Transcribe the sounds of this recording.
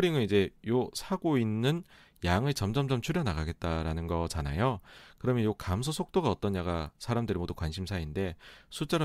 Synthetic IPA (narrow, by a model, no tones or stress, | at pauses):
ɾiŋɯnid͡ʑe̞josʰaɡoinːɯn | jaŋɯɭt͡ɕʌmd͡ʑʌmd͡ʑʌmt͡ɕʰuɾjʌnaɡaɡe̞t̚t͈aɾanɯnɡʌt͡ɕana̰jokɯɾʌmjʌnjokamsʰʌsʰok̚t͈oɡaʌt͈ʌnɲaɡasʰaɾamdɯɾimodukwanɕʰimsʰainde̞sʰut͡ɕ͈ʌɾ